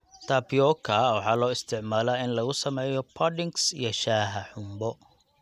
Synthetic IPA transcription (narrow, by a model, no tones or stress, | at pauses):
t̪ʰabjɔːkʰɐwɑħɑːlɔːɪst̪ʰɪʕmaːlɐɪnlɐɣʊsɐmɛːjɔpʰɐɖɪŋksḭjɞʃaːɦɐħʊmbɔ